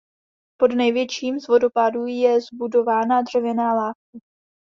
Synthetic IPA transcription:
po̞dnɛjvjɛt͡ʃiːmzvo̞do̞paduːjɛzbudo̞vaːnadr̝̥ɛvjɛnaːlaːfkɪ

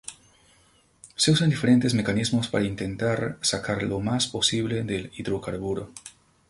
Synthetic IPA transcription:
seusand̪ife̞ɾe̞nt̪ezmekanizmospaɾaint̪ent̪aɾsakʰaɾlomaspo̞siβleðeliðɾokaɾβuɾo

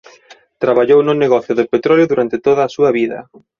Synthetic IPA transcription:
t̪ɾaβaʎownʊneɣɔθjʊðɪpet̪ɾɔljʊðuɾant̪ɪt̪oðɐːsuɐβiðɐ̰

